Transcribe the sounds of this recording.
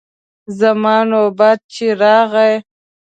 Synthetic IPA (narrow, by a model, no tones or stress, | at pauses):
zamɑːnobɑːd̪̚t͡ʃeɾɑːɣaj